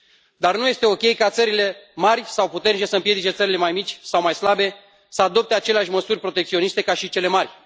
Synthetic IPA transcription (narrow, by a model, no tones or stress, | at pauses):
d̪arnuje̞st̪e̞o̞kʲe̞jkat̪səɾile̞marʲsawput̪e̞rnit͡ʃe̞səɨmpje̞d̪it͡ʃe̞t̪səɾile̞majmit͡ʃʲsawmajslabe̞ | səad̪o̞p̚t̪e̞at͡ʃe̞leaʃʲməsurʲpɾo̞t̪ekt̪sio̞nist̪e̞kaʃit͡ʃe̞le̞marʲ